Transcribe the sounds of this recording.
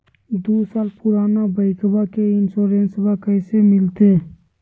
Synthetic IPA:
d̪oːsaːlpʊɾaːnabəɪkbakeɪnsoːɾẽːnsbakəːsemɪlt̪eː

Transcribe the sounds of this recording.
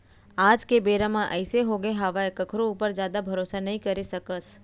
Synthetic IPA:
ad͡ʒkebeɾamãʔəjseɦoɡeɦaʋaekəkʰɾoupəɾd͡ʒjad̪abʱəɾosanəɦĩkəɾisəkəs

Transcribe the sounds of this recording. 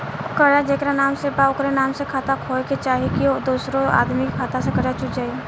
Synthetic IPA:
kɐɽad͡ʒeːkɾanaːmsepaʊkɾenaːmsekʰaːt̪akʰoːket͡ʃaːɦikiod̪uːsɾoa̰ːd̪mikikʰaːt̪asekɐɽat͡ʃʊd͡ʒaːe

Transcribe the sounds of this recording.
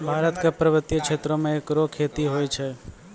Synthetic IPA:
bʱaːɾət̪kepɾəʋət̪jəkʃʰeːt̪ɾõmẽeːkɾokʰːeːt̪iɦojt͡ʃʰe

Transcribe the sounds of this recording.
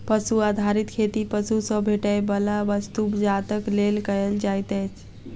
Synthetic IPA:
pəsuad̪ʱaɾit̪kʰet̪ipəsusəbʱeʈəjbəlabəst̪ubd͡ʒat̪əklelkəeld͡ʒajt̪ət͡ʃʰ

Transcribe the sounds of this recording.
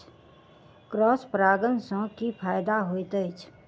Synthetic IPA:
kɾɔːspɾaːɡənsə̃kipʰaːjd̪aɦot̪əɪt͡ʃʰ

